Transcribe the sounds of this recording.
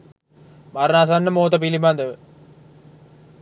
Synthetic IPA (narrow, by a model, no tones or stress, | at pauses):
mɐɾnaːs̬aːnnɐmoːt̪ɐpilimand̪ɐʋ